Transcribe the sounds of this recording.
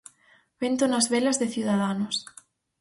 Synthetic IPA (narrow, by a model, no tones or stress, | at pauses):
βent̪onazβelazðeθjuðaðanos